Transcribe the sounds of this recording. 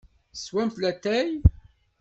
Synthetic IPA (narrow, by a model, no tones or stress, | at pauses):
swæmθlæt̪ːæj